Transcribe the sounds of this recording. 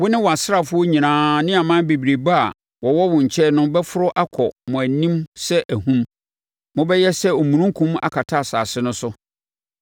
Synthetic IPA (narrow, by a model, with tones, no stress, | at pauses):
wʊ˦nɪ̃˦wɔ˨a˨sɾa˨fʊ˦o˦ɲĩ˨nãː˦nɪ̃˦a˨mã˦be˨bi˨ɾe˨ba˦a˨ | wɔ˨wɔ˦wʊ̃˨ɲ̩˨t͡ɕʰɛ˦nʊ̃˦bɛ˦fʊ˦ɾʊ˦ʔa˦kʰɔ˨mʊ̃˨æ˨nĩ˦msɛ˦ʔæ˨ɦũ˦m | mʊ̃˦bɛ˦jɛ˦sɛ˦o˨mũ˨nũ˦ŋ˦kʰũ˦m˦a̰˨kʰa˨tʰa˦a˨saː˨sɪ˦nʊ̃˦sʊ˦